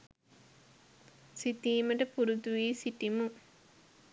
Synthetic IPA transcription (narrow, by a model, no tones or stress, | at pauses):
sit̪iːmɐʈɐpuɾut̪uʋiːsiʈimu